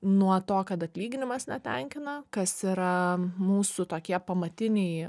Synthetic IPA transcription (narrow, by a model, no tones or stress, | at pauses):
nuɔt̪oːkɐt̪ɐt̪ʲlʲiːɡʲɪnʲɪmɐsnʲɛt̪ʲɛŋʲkʲɪnɐkɐsiɾɐmuːsʊt̪oːkʲiɛpɐmɐt̪ʲɪnʲɛɪ